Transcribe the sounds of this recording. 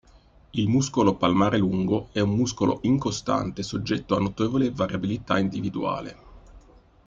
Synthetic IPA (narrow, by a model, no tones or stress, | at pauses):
ilmuskolopalmaːɾeluŋɡoɛummuskolʔo̰ʔiŋkost̪a̰nt̪esod͡ʒːɛt̪ːoanːot̪eːvolevaɾjabilit̪a̰ind̪ivid̪ua̰ːlḛ